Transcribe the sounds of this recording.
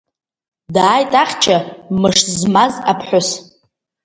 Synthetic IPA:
daːjtʼaχʲt͡ʃʰamɨʂzmazapʰħʷʊs

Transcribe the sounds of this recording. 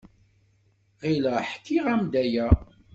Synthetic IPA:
ʁiləħkːiʁæmd̪æjæ

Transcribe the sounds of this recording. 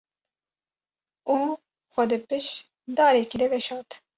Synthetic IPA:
uː | xʷɛd̪ɨpɨʃ | d̪ɑːɾɛkid̪ɛvɛʃɑːt̪

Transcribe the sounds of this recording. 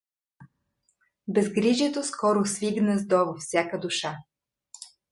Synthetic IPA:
bɛzɡɾiʒɛt̪oskɔɾʊsviɡnəzd̪ɔvofsʲjakəd̪uʃa

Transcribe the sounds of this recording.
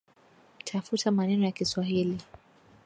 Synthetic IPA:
tʰafutʰamanɛnɔjakiswaɦili

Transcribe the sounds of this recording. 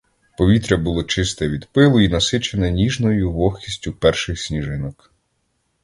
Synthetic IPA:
pɔʋʲit̪ɾʲɐbʊlˠɔt͡ʃɪst̪ɛʋʲid̪pɪlˠʊinɐsɪt͡ʃenɛnʲiʒnɔjʊʋɔxʲisʲtʲʊpɛrʃɪxsʲnʲiʒɪnɐk

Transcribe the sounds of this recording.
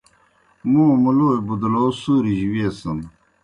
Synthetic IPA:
mũːmuloːebud̪loːsuːɾiʑiweːsəm

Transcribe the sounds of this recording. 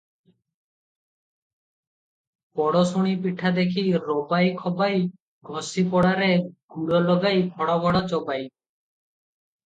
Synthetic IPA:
pɔɽɔsuɽ̃ipiʈʰad̪ekʰiɾobajkʰɔbaj | ɡʱɔsipɔɽaɾeɡ̥uɽɔlɔɡajbʱɔɽɔbʱɔɽɔt͡ʃɔbaj

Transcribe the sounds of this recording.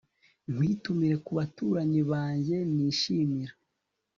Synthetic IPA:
n̥wiːtumiɾe̞kuβatuɾaɲiβaːɲɟe̞niːʃiːmiɾa

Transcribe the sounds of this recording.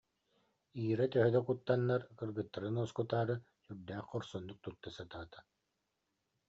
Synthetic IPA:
iːɾat̪œɦœd̪ɛkut̪ːanːaɾkɯɾɡɯt̪ːaɾɯnuɔskut̪aːɾɯ | syɾd̪æːχqɔɾsɔnːuk̚t̪ut̪ːasat̪aːt̪ḁ

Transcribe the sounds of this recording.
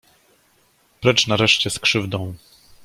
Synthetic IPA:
pɾɛt͡ʂnaɾɛʂt͡ɕɛskʂɘvd̪ɔ̃w̃

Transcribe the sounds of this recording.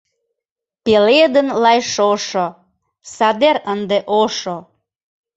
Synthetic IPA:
peled̪ənlɑjʃoʃo | sɑd̪eɾənd̪eʔoʃo

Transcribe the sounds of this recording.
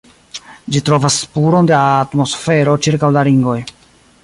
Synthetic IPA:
d͡ʒitɾo̞vaspuɾo̞ndeatmo̞sfe̞ɾo̞t͡ʃiɾkawlaɾiŋɡo̞j

